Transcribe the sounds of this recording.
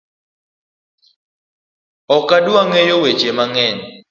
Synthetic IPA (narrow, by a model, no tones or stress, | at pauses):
ɔkadwaŋejowet͡ʃemaŋɛn